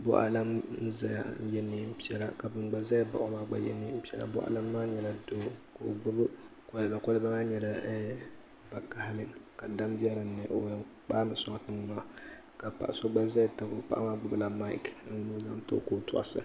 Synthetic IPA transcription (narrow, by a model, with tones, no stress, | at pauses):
bʊ̰˦ʔa̰˨la˦m˦za˦ja̰˨˦jɛ˦nːɨ˨m̩˦pi˦ɛ˦la̰˦ka˨bɨ˨mɡ͡ba˦za˦jba̰˨ʔo˦maː˦ɡ͡ba̰˨jɛ̰˦nːɨ˦m̩˦pi˦ɛ˦la̰˨bʊ˦ʔa̰˨la˦mː˦aː˦ɲɛ˨la˨do˦ko˨ɡ͡bʊ˦bɨ˦kɔ˦lɨ˨ba˨kɔ˦lɨ˦ba˦maː˦ɲɛ˨la˨ɛ˦ | va˨ka˨ha˦lɨ˦ka˨da˦mbi˦ɛ˦ɾɨ˨˦nɨ˨ʔo˨ja˨k͡paː˦nɨ˨sɔ˦˨a˨tɨ˦n˦na˨a˦ | ka˨pa̰˨ʔa˨so˦ɡ͡ba˦za˦jta˨bo̰˨pa̰˦ʔa˦maː˦ɡ͡bʊ˦bɨ˦la˨ma˦ḭ˦kn̩˦nu˦za˦mto̰˦ko˦˨tʊ˨ʔa̰˨sɨ̰˨